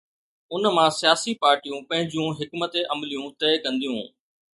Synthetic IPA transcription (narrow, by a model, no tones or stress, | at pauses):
ʊnmãsijaːsipaːɾʈijũpɐ̃ɦɪ̃ɲd͡ʑjũɦɪkmət̪eʔɐmlijũt̪ɛːkɐ̃nd̪ijũː